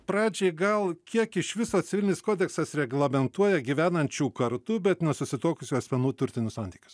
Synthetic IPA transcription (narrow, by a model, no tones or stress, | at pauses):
pɾɑːd͡ʒʲɛɪɡɐlˠkʲiɛkɪʃʋʲɪsoːsʲɪʋʲɪlʲɪnʲɪskoːd̪ʲɛksɐsɾʲɛɡlˠɐmʲɛnt̪uɔjɛɡʲiʋʲæːnɐnʲt͡ʃʲuːkɐɾt̪uːbʲɛt̪nʲɛsʊsʲɪt̪oːkʊsʲuɐsʲmʲɛnuːt̪ʊɾʲt̪ʲɪnʲʊsɑnʲt̪ʲiːkʲʊ̥s